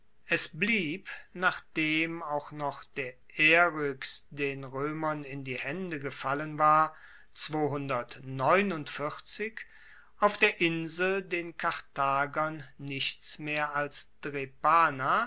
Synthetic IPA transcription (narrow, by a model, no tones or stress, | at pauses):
ʔɛsbliːpnaːχd̥eːmaʊxnɔχd̥eːɐʔeːʁʏksd̥eːnʁøːmɐnɪndiːhɛndəɡəfalənvaːɐ | t͡sv̥oːɦʊndɐtnɔʏnʊntfɪʁt͡sɪk | ʔaʊfd̥eːɐʔɪnzl̩deːnkʰaʁtaːɡɐnːɪçt͡smeːɐalsd̥ʁepaːna